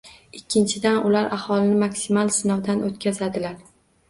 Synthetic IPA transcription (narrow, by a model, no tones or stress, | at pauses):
ɪkʲʰːɪnt͡ʃʰɪd̪anʊlaɾʔahɒlˠɪnɪmakʲsimalˠsɪnɒwd̪anot̪̚kʲʰazad̪ɪlaɾ